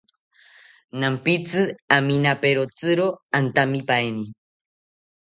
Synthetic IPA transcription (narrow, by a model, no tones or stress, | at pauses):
nampit͡sɨaminapeɾot͡sɨɾoant̪amipaeni